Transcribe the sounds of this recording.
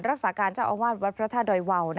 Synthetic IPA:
nɾa˦˥k̚saː˩˦kaː˧nt͡ɕaː˥˩wʔa˧waː˥˩t̪̚wa˦˥t̪̚pʰɾa˦˥t̪ʰaː˧˩doː˧jwa˧wna˦

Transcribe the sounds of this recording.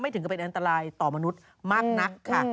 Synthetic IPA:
ma˥˩jt̪ʰɯ˩˦kpe˧nʔa˧nt̪a˧ɾaː˧jt̪ɔː˨˩ma˧nu˦˥t̪̚ | maː˥˩k̚na˦˥kʰːa˦˥

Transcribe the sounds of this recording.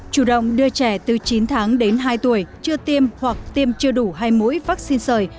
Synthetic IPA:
t͡ɕu˧˩ɗə̰˧˨wŋ͡mɗɨ˧ət͡ɕɛ˧˩t̪ɨ˨˩t͡ɕi˨˦nt̪ʰaː˨˦ŋɗe˨˦nɦaː˧jt̪u˧˩əjt͡ɕɨ˧ət̪i˧mhwa˨˩k̚t̪i˧əmt͡ɕɨ˧əɗu˧˩ɦaː˧jmṵ˧˥jvaː˦˥k̚si˧nsəː˨˩j

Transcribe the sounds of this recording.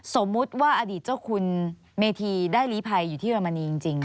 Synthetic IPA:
so˩˦mːu˦˥t̪̚waː˥˩ʔaː˧diː˨˩t̪̚t͡ɕa˥˩kʰu˧n | meː˧t̪ʰiː˧daː˥˩jliː˦˥pʰa˧jːuː˨˩t̪ʰiː˥˩a˧ma˧niː˧t͡ɕi˧ŋt͡ɕi˧ŋ

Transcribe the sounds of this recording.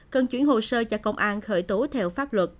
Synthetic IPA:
kə˧nt͡ɕwi˧˩ənɦo˨˩səː˧t͡ɕaː˧˩kə˧wŋ͡mʔaː˧nxəː˧˩jt̪o˨˦t̪ʰɛ˧wfaː˦˥p̚lwə˨˩t̚

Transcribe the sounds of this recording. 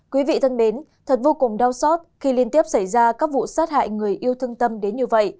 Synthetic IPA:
kwi˨˦vḭ˧˨t̪ʰə˧nɗe˨˦n | t̪ʰə˨˩t̚vo˧kʊ˨˩ŋ͡mɗaː˧wsɔ˦˥t̚xi˧li˧ənt̪i˦˥əp̚sa˧˩jzaː˧kaː˦˥k̚vṵ˧˨saː˦˥t̚ha̰ː˧˨jŋɨ˨˩əjʔi˧əwt̪ʰə˧ŋt̪ə˧mɗe˨˦nɲɨ˧və̰˧˨j

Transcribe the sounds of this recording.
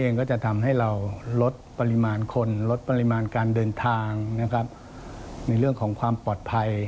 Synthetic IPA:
ʔeː˧ŋkɔː˥˩t͡ɕa˨˩ʔt̪ʰa˧mɦa˥˩jɾa˧wlo˦˥t̪̚pa˧li˧˥maː˧nkʰo˧nlo˦˥t̪̚pa˧li˦˧˥maː˧nkaː˧ndɤː˧nt̪ʰaː˧ŋna˦˥kʰɾa˦˥p̚ | na˧jɾɯ˥˩əŋkʰɔː˩˦ŋkʰwaː˧mpɔː˨˩t̪̚pʰa˧j

